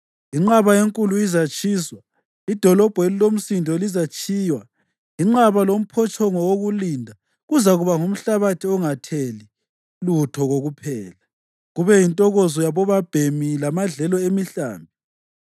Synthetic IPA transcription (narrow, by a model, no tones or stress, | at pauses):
iŋ͡ǁaβaeŋkʼuluizat͡ʃʼiːswa | id̥ʱɔlɔb̥ʱwelilom̩sindʱɔlizat͡ʃʼʰiːjwa | iŋ͡ǁaβalom̩pʰɔt͡ʃʼɔŋɔwoɣulindʱa | ɣuzaɣuβaŋum̩ɬaβatʰiɔŋatʰeli | lutʰɔɣoɣupʰɛːla | ɣuβɛjintʼɔɣɔzɔjaβɔβab̥ʱemilamaɮɛlɔemiɬa̰ːmbʱi